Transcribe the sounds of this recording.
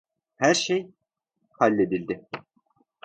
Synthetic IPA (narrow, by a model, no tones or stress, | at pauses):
hæɾʃej | halʲːe̞d̪ilʲd̪ɪ